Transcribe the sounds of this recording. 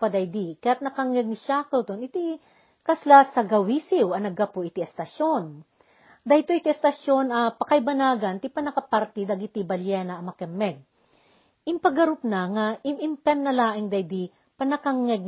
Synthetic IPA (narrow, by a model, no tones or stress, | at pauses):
pɐd̪ɐjd̪ikɐjat̪̚nɐkɐŋɛɡ̚niʃakɐwt̪onɪt̪i | kɐslasɐɡɐwisɪwɐnɐɡɐpoʔit̪iɛst̪ɐʃon | d̪ɐjt̪oʔit̪iɛst̪ɐʃo̞nɐpɐkɐjbɐnaːɡɐnt̪ipɐnɐkɐpaɾt̪id̪ɐɡɪt̪ibɐljɛnɐʔɐmɐkɛmːɛɡ̚ | ʔɪmpɐɡɐɾʊpnɐŋaʔɪmɪmpɛnːɐlaːʔɪŋd̪ɐjd̪i | pɐnɐkaŋːɛɡ̚